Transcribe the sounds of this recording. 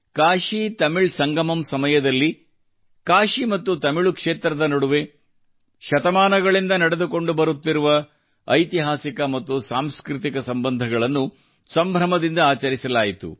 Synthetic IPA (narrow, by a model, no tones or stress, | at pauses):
kaːʃit̪ɐmiɭsɐŋɡɐmɐmsɐmɐjɐd̪ɐlːi | kaːʃimɐt̪ːut̪ɐmiɭukʂeːt̪ɾɐd̪ɐnɐɽuʋe̞ | ʃɐt̪ɐmaːnɐɡɐɭind̪ɐnɐɽed̪uko̞ɳɖubɐɾut̪ːiɾuʋɐː | jt̪iɦaːsikɐmɐt̪ːusaːmskɾut̪ikɐsɐmbɐnd̪ʱɐɡɐɭɐnːu | sɐmbʱɾɐmɐd̪ind̪ɐaːt͡ʃɐɾisɐlaːjit̪ṵ